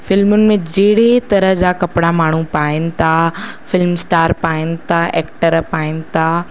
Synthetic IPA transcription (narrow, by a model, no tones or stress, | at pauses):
fɪlmʊnɪ̆mẽd͡ʑeːɽ̤et̪ɐɾəɦd͡ʑaːkɐpɪɽamaːɳ̤upaːɪnɪ̆t̪ʰafɪlmsʈaːɾpaːɪnɪ̆t̪ʰaʔɛːkʈəɾpaːɪnɪ̆t̪ʰaː